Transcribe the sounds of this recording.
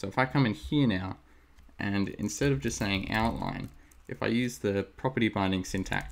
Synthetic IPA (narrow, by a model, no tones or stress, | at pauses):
oʊɨfaɪkʰʌ̃mɨ̃nhiɹnaʊ | ʔɨ̃nɪ̰̃nstɛɾʌvd͡ʒʌstseɪɪ̃ŋa̰ʊʔˡlã̰ɪ̃nʔɨfaɪjʉzðɨpʰɹ̥ɑpə˞ɾibãɪ̃ndɪ̃ŋsɪ̃ntʰæ̰k